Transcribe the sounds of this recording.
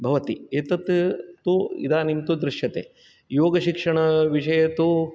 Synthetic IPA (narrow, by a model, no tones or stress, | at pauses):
bʱɐʋɐt̪ieːt̪ɐt̪t̪uḭd̪aːnimt̪ud̪ɾɪʃjɐt̪ḛː | joːɡɐʃikʂɐɳɐʋiʂɐjɐt̪u